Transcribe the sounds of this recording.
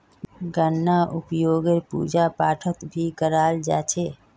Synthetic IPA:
ɡənːaʔʊpjoːɡeɾpṵːd͡ʒapaːʈʰət̪bʱikəɾaːld͡ʒa̰ːt͡ʃʰe

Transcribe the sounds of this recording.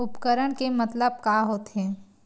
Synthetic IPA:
ʊpkəɾəɽ̃kemɐt̪ləb̚kaɦoːt̪ɦɛ̃ː

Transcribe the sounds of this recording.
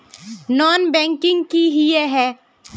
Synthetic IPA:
nɔːnbɛ̃ːŋkɪ̃ŋɡkiɦijeɦɛː

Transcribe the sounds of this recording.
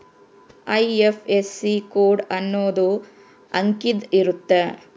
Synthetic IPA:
ɐjefʰesːikoːɖɐnːoːd̪u | ɐŋkid̪iɾut̪ːe

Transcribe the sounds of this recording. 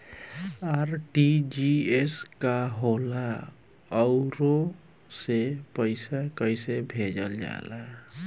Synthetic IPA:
aɾʈid͡ʒieskaɦola | ʌwɾo | sepʌjsakʌjsebʱed͡ʒʌld͡ʒa̰la

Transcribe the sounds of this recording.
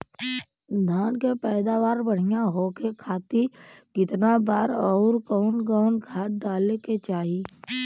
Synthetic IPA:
d̪ʱãːnkepɛːd̪aːʋaːɾbəɽ̤ɪjaɦokekʰaːt̪ikɪt̪nabaːɾɔːɾkɔːnɡaːʊnɡʰʱaːʈ̚ɖaːleket͡ʃaːɦi

